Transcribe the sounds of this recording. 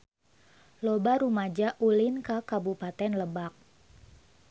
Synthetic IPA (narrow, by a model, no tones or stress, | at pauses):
lobaɾumad͡ʒaʔulɪnkəkabupat̪ɛnləbak̚